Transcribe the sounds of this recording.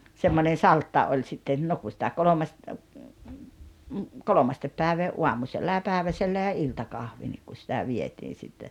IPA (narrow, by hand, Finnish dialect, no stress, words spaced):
semːonen̞ sɑltːɑ olʲ sitːen no ku sĭtæ kolʲomɑst kolomɑstep pæeʋeː uɑmuselːɑ jɑ pæˑeʋæselːæ jɑ iltɑkɑhʋi nik ku sĭtæ ʋietiːn̞ sitːe